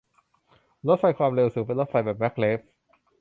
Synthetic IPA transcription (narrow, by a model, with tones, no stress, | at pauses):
lo˦˥t̪̚fa˧jkʰwaː˧mɾe˧wsuː˩˦ŋpe˧nlo˦˥t̪̚fa˧jbɛː˨˩p̚mɛ˦˥k̚ʰleː˦˥p̚